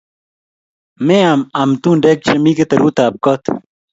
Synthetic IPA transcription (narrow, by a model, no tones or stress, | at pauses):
mẽɐmɐmt̪ũːnɖeːk̚t͡ɕɐmiːket̪ɐɾuːt̪aːp̚kot̪